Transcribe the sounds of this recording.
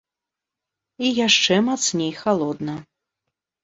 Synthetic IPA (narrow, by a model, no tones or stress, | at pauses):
ijaʂt͡ʂɛmat̪snʲejxalˠɔd̪nɐ